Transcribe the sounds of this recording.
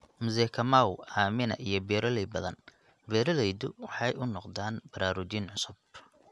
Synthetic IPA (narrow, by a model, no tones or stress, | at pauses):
mʊzɛːkʰɐmawaːmɪnɐ̰ʔijɞbɛːɾɐlɛbɐðɐ̰n | bɛːɾɐlɛjðʊwɑħɑjʊnɔqd̪aːnbɐɾaːɾʊt͡ʃinʕʊsʊb